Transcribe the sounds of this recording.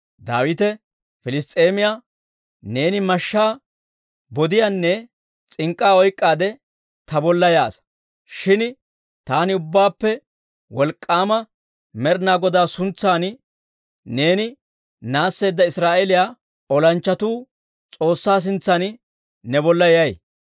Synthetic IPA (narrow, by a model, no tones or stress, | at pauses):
d̪aːwɪt̪ɛ | fɪlɪst̪ʼeːmɪjaː | ne̞ːnɪmɐʃːaː | bɔd̪ɪjanːɛ | t͡sʼɪŋkʼːaːɔjkʼːaːd̪ɛ | t̪ɐbɔlːɐja̰ːs | ʃɪn | t̪aːnɪʊbːaːpːɛ | wɔlkʼːaːmɐ | mɛɾnaːɡɔd̪aːsʊnt͡sːaːn | ne̞ːnɪ | naːsːe̞ːd̪ːɐɪsɾaːʔelɪjaː | ɔlɐnt͡ʃːɐt̪uː | t͡sʼo̞ːsːaːs̬ɪnt͡sːɐn | nɛbɔlːɐjɛjɐj